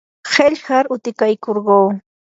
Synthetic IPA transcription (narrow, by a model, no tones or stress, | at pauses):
xeʎhaɾʊt̪ɪkajkoɾɢoː